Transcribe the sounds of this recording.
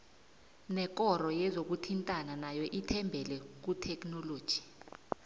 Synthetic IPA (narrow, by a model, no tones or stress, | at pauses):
nɛk̬ʼɔrɔjɛzok̬utʰintʼananajɔʔitʰɛmbʱɛlɛk̬utʰɛknɔloːd̥ʒ̥ʱi̥